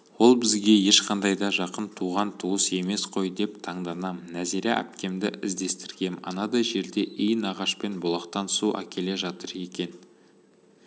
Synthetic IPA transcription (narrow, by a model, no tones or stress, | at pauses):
wo̞lˠbɪzɡʲe̞je̞ʃqʰɑnd̪ɑjd̪ɑʒɑqənt̪ʰuʁɑnt̪ʰuəse̞me̞sqʰo̞jd̪e̞pt̪ʰɑɴd̪ɑnɑmnæzeɾeʔæ̰pkʲe̞md̪ɪ̰ʔɪzd̪e̞st̪ɪɾɡʲe̞mɑ̰nɑd̪ɑjʒe̞ɾd̪e̞ʔɪjɪnɑʁɑʃpe̞nbolˠɑqt̪ɑnsuʔæ̰kʲe̞le̞ʒɑt̪əɾe̞kʲe̞n